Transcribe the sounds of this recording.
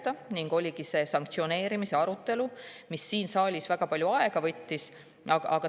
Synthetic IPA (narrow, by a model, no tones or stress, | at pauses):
t̪ɑniŋɡ̥o̞lʲiɡ̥ise̞ːsɑŋkt̪sio̞ne̞ːɾimise̞ɑɾut̪ːˑe̞lumisːiːnsɑːlʲisvæɡ̥ɑpɑljuɑe̞ɡ̥ɑvɤt̪ʲːis | ɑɡɑɡ̥ɑ